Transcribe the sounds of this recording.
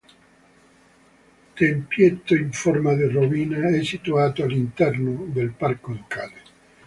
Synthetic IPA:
t̪empjet̪ːoiɱformad̪iroviːnaɛsːit̪uaːt̪oalːint̪ɛrnod̪elparkolokaːle

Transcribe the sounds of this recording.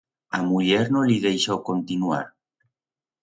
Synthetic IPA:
amuʎeɾnoliðejʃowkont̪inua̰ɾ

